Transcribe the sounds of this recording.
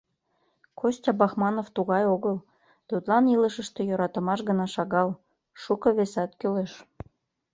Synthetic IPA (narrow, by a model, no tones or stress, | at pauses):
kosʲtʲɑbɑxmɑnoft̪uɣɑjoɣəl | t̪ut̪lɑniləʃəʃt̪e̽joɾɑt̪ə̆mɑʃɣənɑʃɑɣɑl | ʃukɤ̆βesɑt̪køleʃ